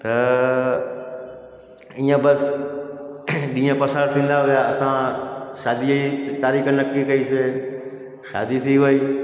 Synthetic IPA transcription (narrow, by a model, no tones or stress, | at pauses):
t̪ə | ĩːãbəs | ɗĩːə̃pəsaːɽt̪ʰĩːn̆d̪aɦoʋjaəsãʃaːd̪iit̪aːɾiːknəkːikəiːse | ʃa̰ːd̪it̪ʰiːʋoiː